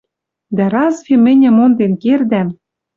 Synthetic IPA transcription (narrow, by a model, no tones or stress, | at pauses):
d̪æɾɑzvʲĕmɘ̆nʲɘ̆mond̪enkerd̪æm